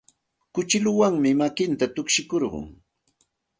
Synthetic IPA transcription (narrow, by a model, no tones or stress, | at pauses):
kʊt͡ʃɪlʊwaŋmɪmakɪnt̪at̪ʊkʃɪkoɾɢʊ̰ŋ